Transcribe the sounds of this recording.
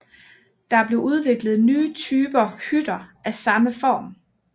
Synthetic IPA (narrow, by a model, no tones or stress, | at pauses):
d̥ɑ̈æb̥le̝ʔuð̞ˠʋe̝ɡ̥lð̩ˠnyːt͡sʰyːb̥ɐhyd̥ɐʔæsɑ̈məfɒ̰ːm